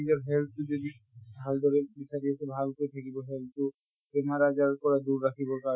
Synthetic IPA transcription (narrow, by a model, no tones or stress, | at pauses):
id͡ʒɔɾɦɛlt̪ud͡ʒod̪i | ald̪ʱɔɾebisʰaɾiasebʱalkoit̪ʰakibɔɦelt̪u | pɾemaɾad͡ʒaɾkɔɾad̪uɾːakʰibɔka